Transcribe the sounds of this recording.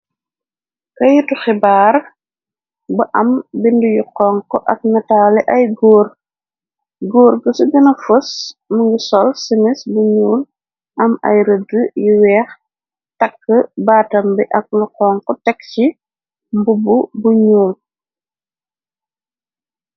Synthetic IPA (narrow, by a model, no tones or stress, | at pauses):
kɐjutuxɛbaːr | bɐʔɐmbindujuqɔŋkɔʔɐk̚nɐtalɛʔɐjɡoːr | ɡoːrɡəsuɡɐnɐfosməŋɡisɔlsimɛsbuɲuːl | ʔɐmɐ̰jɾədəjiwɛːx | tɐkːəbaːtɐmbɛʔɐk̚luqɔːŋkɔtɛkːci | mbububuɲuːl